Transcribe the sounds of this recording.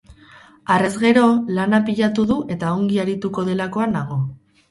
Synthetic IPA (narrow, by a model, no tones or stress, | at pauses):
are̞zɣe̞ɾo̞lanapiʎat̪uðuʔe̞t̪ao̞ŋɡiaɾit̪uko̞ð̞e̞lako̞anaɣ̞o̞